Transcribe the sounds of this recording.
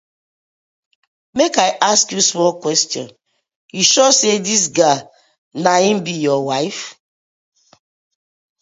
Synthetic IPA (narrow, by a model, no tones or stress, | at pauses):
mekaɪʔaskjusmɔlkwɛstiɔ̰̃n | hiʃosedis̬ɡa | naĩm̩bijɔwaɪf